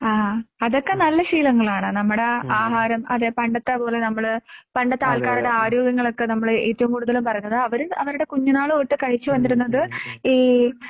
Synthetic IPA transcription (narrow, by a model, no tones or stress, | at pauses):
aːɐðo̞kːe̞nɐlːɐɕiːlɐŋːɐɭaːɳɨnɐmːuɽe̞aːɦaːɾɐmɐðepɐɳɖɐt̪ːɐpo̞ːle̞nɐmːɐɭpɐɳɖɐt̪ːaːɭkaːɾuɽe̞aːɾoːɡɐŋːɐɭo̞kːenɐmːɐɭeːtːɐʋumkuːɽuðɐlumpɐrɐjunːɐðɨɐʋɐɾuɐʋɐɾuɽe̞kuɲːɐnaːɭɨoːʈːɨkɐɻit͡ɕːuʋɐnd̪iɾunːɐðɨiː